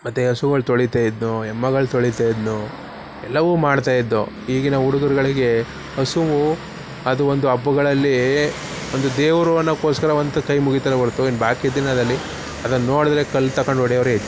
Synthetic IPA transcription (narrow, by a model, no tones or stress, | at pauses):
mɐt̪ːeɦɐsuɡɐɭt̪oɭit̪aːjid̪nuɛmːɐɡɐɭt̪oɭit̪aːjid̪nu | ɛlːɐʋuːmaːɽt̪aːjid̪ːuɦiːɡɐnɐuɽuɡɐɾuɡɐɭiɡe̞ | ɦɐsuʋu | ɐd̪uʋond̪uɐbːuɡɐɭɐlːi | ond̪ud̪eːʋɾuʋɐnːɐkoːskɐɾɐɐnt̪ɐkɐjmuɡit̪ɐɾebɐɾt̪uinbaːkijɐd̪inɐd̪ɐlːi | ɐd̪ɐnːɐnːo̞ːɽid̪ɾe̞kɐlːt̪ɐkoɳɖɔɽɛjɐʋɐɾɦet͡ʃː